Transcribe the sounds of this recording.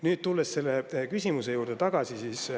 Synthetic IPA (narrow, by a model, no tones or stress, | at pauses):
nyːd̪̥̚t̪ulːe̞sse̞lːe̞kysʲimuse̞juːɾd̪et̪ɑɡ̥ɑsisiːs